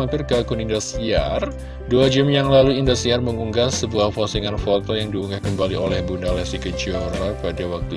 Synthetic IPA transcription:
ampɪrkakunindɔsia̰r | duad͡ʒamjaŋlaluindɔsiarməŋuŋɡasəbuahfɔsiŋanfɔt̪ɔjaŋdiuŋɡakəmbaliolɛhbundalɛsikəd͡ʒioɾapadawak̚t̪u

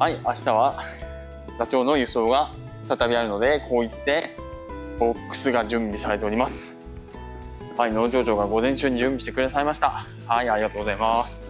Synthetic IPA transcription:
haiaɕi̥t̪aβ̞a | zat͡ɕo̞ːno̞jɯ̟so̞ːɡa | ft̪at̪abʲiaɾɯ̟no̞d̪e̞kʰo̞ːit̪ːe̞ | bo̞kːɯ̥sɨɡad͡ʑɨ̃mbʲisaɾe̞t̪e̞o̞ɾʲimasɨ̥ | haino̞ːd͡ʑo̞ːd͡ʑo̞ːɡaɡo̞zẽ̞ɕɨːɲ̟ːid͡ʑɨ̃mbʲiɕt̪e̞kɯd̪asaimaɕi̥t̪a | haiaɾiɡat̪oːɡo̞zaimasɨ̥

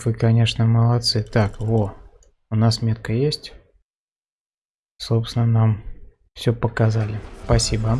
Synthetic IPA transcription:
vɨkɐnʲe̞ʂnəməlˠɐt̪sɨt̪akvo | ʊnasmʲe̞t̪̚kəjesʲtʲ | sopsʲnənam | fsʲɵpəkɐzalʲɪspɐsʲibə

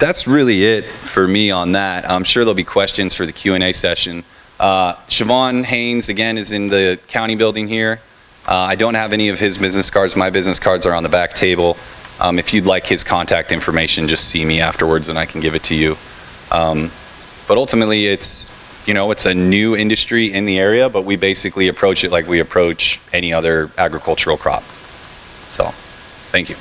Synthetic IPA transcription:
ðætsɹɪlˠiɪt̚fə˞miə̃nðæt̚ã̰ɪ̃mʃʊɹðəɪlˠbikʰw̥ɛst͡ʃɨ̃nz̥fə˞ðɨkʰj̥ʉɛ̃ɾ̃eɪsɛʃɨ̃n | ʔʌʃɨvɑ̃nɦẽɪ̃nzɨɡɛ̃nɨzɨ̃nðɨkʰãʊ̃ɾ̃ibɪlˠdɪ̃ŋhiɹ | ʔʌaɪdõʊ̃nt̚hɨvɛñiʌv̥ɪzbɪznɨskʰɑɹdzmaɪbɪznɨskʰɑɹdzə˞ə̃nðəbæk̚tʰeɪbl̩ˠʔʌ̰̃mɨfjɨdˡlaɪkhɨz̥kʰɑ̃ntʰæk̚tɪ̃ɱfə˞meɪʃɨ̃nd͡ʒʌstsimiæftə˞wə˞dzɨ̃naɪkʰn̩ɡɪvɨtʰɨjʉ | ʔʌ̃m | b̥ʌɾʌlˠtəmətˡliɪts | jɨñoʊɨtsɨnʉɪ̃ndɨstɹ̥iɪ̃nðiɛɹiɨbʌt̚wibeɪsɨkliɨpʰɹ̥oʊt͡ʃɨt̚ˡlaɪkwiɨpʰɹ̥oʊt͡ʃɛɾ̃iʌðə˞æɡɹɨkʰʌlˠt͡ʃə˞l̩ˠkʰɹ̥ɑ̰p̚ | so̰ʊ | θæ̃ŋkjʉ

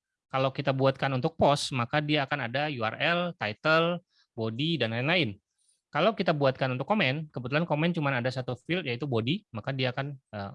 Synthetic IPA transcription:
kalawkit̪abuat̪̚kanunt̪ʊk̚pɔsmakadiaːkanadajua̰rɛlt̪ajt̪əl | bodidanlaɪnlaɪn | kalawkit̪abuat̪̚kanunt̪ʊkːomɛnkəbut̪ulankomɛnt͡ʃumanadasat̪ufɪljait̪ubodimakadiaːkanə

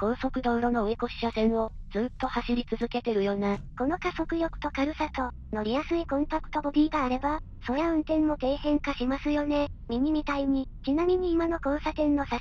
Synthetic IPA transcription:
kõ̞ɰ̃so̞kɯ̟d̪o̞ːɾo̞no̞oeko̞ɕi̥ɕasẽ̞ɰ̃o̞d͡zɨːt̪ːo̞haɕiɾʲit͡sɨzɨke̞t̪e̞ɾɯ̟jo̞ːnako̞no̞kaso̞kɯ̟jo̞kɯ̟̥t̪o̞kaɾɯ̟sat̪o̞ | no̞ɾʲijasɨikõ̞mp̪akɯ̟̥t̪o̞bo̞d̪ʲiːɡaːɾe̞ba | so̞jaɯ̟̃nt̪ẽnːo̞t̪e̞ːɦẽ̞ŋkaɕimasɨjo̞ne̞mʲiɲ̟iɲʲit̪aiɲ̟it͡ɕinamʲiɲ̟iːmano̞kõ̞ːsat̪ẽ̞nːo̞sa

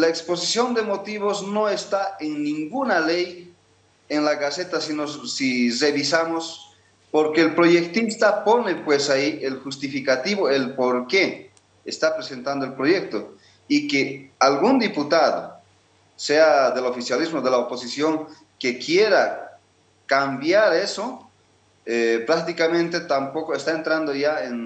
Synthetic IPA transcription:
laekspo̞sisjo̞nd̪emot̪iβo̞sno̞est̪aeŋnĩŋɡunalej | eŋlaɣaset̪asinossireβisamos | po̞ɾkeːlpɾo̞ʝekt̪ist̪apo̞nepwesaiʔelxust̪ifikat̪iβoelpoɾke | est̪apɾese̞nt̪and̪oelpɾo̞ʝe̞k̚t̪o | ikealɣund̪iput̪aðo̰ | se̞aðe̞lo̞fisjalizmoðelaopo̞sisjo̞ŋ | ke̞kjeɾa | kambjaɾe̞so | epɾak̚t̪ikamẽ̞nt̪e̞t̪ampo̞koest̪aent̪ɾand̪oʝaen

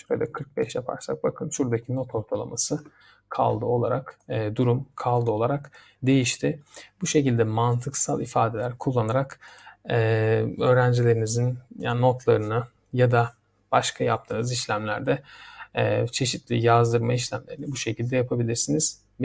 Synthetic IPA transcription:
ad̪akʰɯɾk̚bɛʃjapʰa̰ɾsa̰k̚bakʰɯnʃuɾd̪acʰino̞t̪ʰo̞ɾt̪ʰalˠa̰masɯ | kʰa̰lˠd̪ɯo̞lˠaɾakːd̪uɾumkʰalˠd̪ɯo̞lˠaɾak | d̪e̞jiʃt̪ʰɪbuʃe̞cilʲd̪ɛmant̪ʰɯksalˠifaːd̪e̞lʲæɾkʰulˠːanaɾakɛø̞ːɾænd͡ʒilʲe̞ɾinizinja̰no̞t̪ʰlˠaɾɯnɯ | jad̪a | b̥aʃkʰajap̚t̪ʰɯːnɯziʃlʲæmlʲæɾd̪ɛ | t͡ʃʰe̞ʃit̪lʲijazd̪ɯɾmaiʃlʲæmlʲe̞ɾinibuʃe̞cʰilʲd̪ɛjapʰabilʲiɾsiniz̥

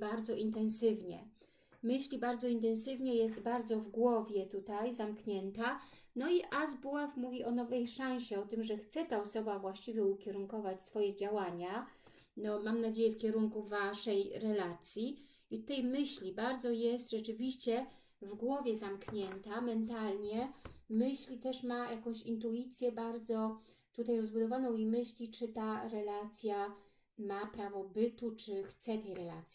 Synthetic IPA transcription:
baɾd̪zɔʔint̪ɛ̃ñsɘvɲɛ̰ | mɘɕlʲibaɾd̪zɔint̪̬ɛñsɘvɲɛjɛs̬t̪baɾd̪zɔvɡwɔvʲjɛt̪ut̪ajzamkɲɛnt̪anɔiʔazbuafmuvʲiʔɔnɔvɛjʂãɕɛɔt̪ɘmʐɛxt̪sɛt̪aɔsɔbavwaɕt͡ɕivʲjɛukʲɛɾuŋkɔvat͡ɕsfɔjɛd͡ʑawaɲa | nɔmamnad͡ʑejɛfkʲɛɾuŋkuvaʂɛjɾɛlat̪sʲji | it̪ut̪ajmɘɕlʲibaɾd̪zɔjɛst̪ʐɛt͡ʂɘvʲiɕt͡ɕɛ | vɡwɔvʲjɛzamkɲɛnt̪amɛnt̪alɲɛmɘɕlʲit̪ɛʂmajakɔ̃w̃ɕint̪̬uit̪sʲjɛbaɾd̪zɔ | t̪ut̪ajɾɔzbud̪ɔvanɔ̃w̃imɘɕlʲit͡ʂɘt̪aɾɛlat̪sʲja | mapɾavɔbɘt̪ut͡ʂɘxt̪sɛt̪ɛjɾɛla̰t̪sji

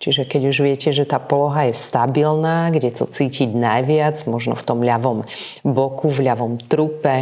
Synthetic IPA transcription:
t͡ʃiʒɛkɛɟuʒʋɪɛcɛʒɛt̪aːpɔlɔɦajɛst̪abilnaːɡɟɛt̪ɔ̰t͡siːciɟnajʋɪad͡zmɔʒnɔ̰ft̪ɔmʎaʋɔmbɔkuvʎaʋɔmt̪ɾupɛ

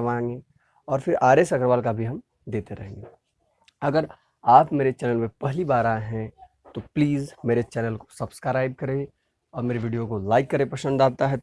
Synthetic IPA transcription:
ʋãːŋɡe | ɔːɾfɪɾaːɾesɐkɾʋaːlkabʱiɦɐm | d̪eːt̪eɾɐɦẽːŋɡe | ɐɡəɾ | aːpmeːɾet͡ʃɛːnəlmepɛɦlibaːɾaɦɛ̃ | t̪opliːzmeːɾet͡ʃɛːnəlko̥sɐbskɾaːɪb̚kɐɾẽ | ɔːɾmeːɾeʋiːɖijokolaːɪkːɐɾẽpɐʃə̃nd̪aːt̪aɦɛ

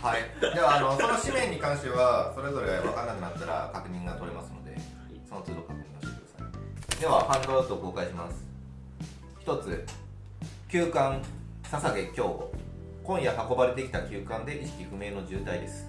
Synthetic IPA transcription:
haid̪e̞βaːno̞so̞no̞ɕimẽ̞ɲ̟ːikãɰ̃ɕt̪eβaso̞ɾe̞zo̞ɾe̞ɡaakanːakɯ̟nat̪ːaɾa̰kakɯ̟ɲ̟ĩŋɡat̪o̞ɾe̞masɨno̞d̪e̞̰ | so̞no̞t͡sɨːd̪o̞kakɯ̟ɲ̟ĩŋɡat̪ekɯd̪asaid̪e̞βahãŋɡoat̪oko̞ːkaiɕimasɨ̥ | çi̥t̪o̞t͡sɨ | kʲɨːkãŋ | sasaɡe̞kʲo̞ː | kõ̞ɰ̃jahako̞baɾe̞t̪e̞kʲi̥t̪akʲɨːkãnd̪e̞ʔiɕi̥kʲikɯ̟me̞ːno̞ʑɨːt̪aid̪e̞sɨ̥

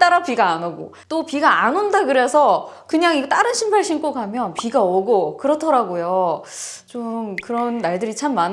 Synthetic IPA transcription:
t͈aɾapiɡaːnoɡo̰ | t͈opiɡaanondakɯɾe̞sʰʌkɯɲaŋit͈aɾɯnɕʰimpʰaɭɕʰink͈okamjʌnpiɡaʌɡokɯɾʌtʰʌɾaɡojo | t͡ɕomkɯɾʌnːaɭdɯɾit͡ɕʰamːan

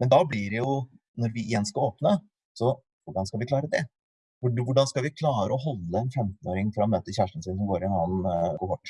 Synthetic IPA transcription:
mɛnd̪ɑblɪɾɛjʊ | nɔɾʋɪʔɪjɛnskɑoːpnə | sɔ | ʋʊɖɑnskɑʋɪklɑːɾəd̪ɛ | ʋʊɖʋʊɖɑnskɑlʋɪkʰlɑːɾəɔɦɔlːəɛnfɛmt̪n̩oːɾɪŋfɾɑɔmøːt̪əçæːʂʈən̩sɪns̬ɔmɡoːɾɪɛnɑːnokɔʈː

